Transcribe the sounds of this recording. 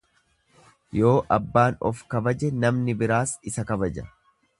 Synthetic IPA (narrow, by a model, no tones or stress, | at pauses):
jo̞ːʔɐbːaːnɔ̰fkɐbɐd͡ʒɛnɐmnɪbɪɾaːsɪsɐkɐbɐd͡ʒɐ